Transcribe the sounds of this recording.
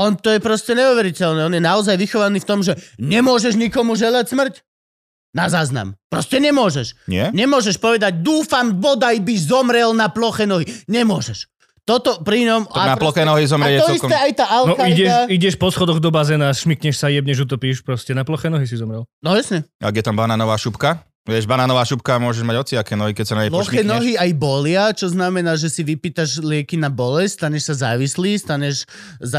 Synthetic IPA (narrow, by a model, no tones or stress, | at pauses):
ɔnt̪ɔjɛpɾɔscɛɲɛuʋɛɾicɛlnɛːɔnjɛnaɔzajʋixɔʋaniːft̪ɔmʒɛɲɛmʊɔʒɛʒɲikɔmuʒɛlacsmr̩c | nazaːzna̰mpɾɔscɛɲɛmʊɔʒɛʃɲɪɛɲɛmʊɔʒɛʃpɔʋɛd̪aɟd̪uːfambɔd̪ajbizɔmɾɛlnaplɔxɛnɔɦiɲɛmʊɔʒɛʃ | t̪ɔt̪ɔpɾiɲɔmanalɔxɛnɔɦizɔmɾɛɛt̪ɔist̪ɛajt̪aːʔalnɔkaiɟɛʃiɟɛʃpɔsxɔd̪ɔɣd̪ɔbazɛnasʃmikɲɛʃsajɛbɲɛʒut̪̬ɔpiːʃpɾɔscɛnaplɔxɛːnɔɦis̬izɔmɾɛlnɔjasɲɛa̰ɡjɛt̪ambanaːnɔʋaːʃupka | ʋɪɛʒbanaːnɔʋaːʃupkamʊɔʒɛʒmaɟɔt͡siakɛːnɔɦikɛcsanaɲɛlɔxɛnɔɦiajbɔlɪat͡ʃɔznamɛnaːʒɛsiʋipiːt̪aʒlɪɛkinabɔlɛsst̪aɲɛʃsazaːʋisliːst̪aɲɛʃ | za